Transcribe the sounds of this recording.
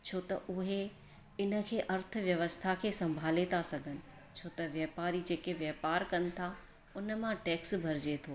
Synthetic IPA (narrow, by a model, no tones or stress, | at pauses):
t͡ɕʰoːt̪ɐʔʊɦe | ɪnə̆kʰeːʔɐɾt̪̆ʰʋjɐʋəst̪ʰakʰeːsɐ̃mbʱaːlet̪ʰasɐɡʱənɪ̆ | t͡ɕʰoːt̪ɐʋjɐːpaːɾid͡ʑeːkeʋjɐːpaːɾkɐnɪ̆t̪ʰa | ʊnəmãʈɛːksbʱɐɾɪd͡ʑet̪ʰoː